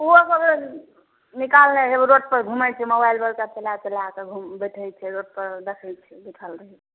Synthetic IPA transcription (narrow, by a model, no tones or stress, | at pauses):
uosəb | nikalneɦebɾoʈ̚pəɾɡʱumɛt͡ʃʰɛmobajlbəlkapelatelaakeɡʱumbəʈʰɛjt͡ʃʰɛɾoʈ̚pəɾɖəkʰəlt͡ʃʰɛbiʈʰəlɾəɦɛ